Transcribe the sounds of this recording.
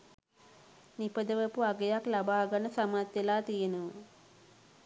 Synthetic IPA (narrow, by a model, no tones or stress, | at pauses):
nipəd̪əʋəpuaɡejaklabaːɡanəsamat̪ʋelaːt̪ijenəʋə